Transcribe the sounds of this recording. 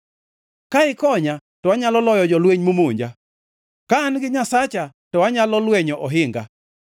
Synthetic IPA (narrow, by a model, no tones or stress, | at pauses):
kaɪkɔɲatɔwaɲalɔlɔjɔd͡ʒɔlweɲmomoɲd͡ʒa | kaːnɡɪɲasat͡ʃa | tɔwaɲalɔlwɛɲɔʔɔɦɪŋɡa̰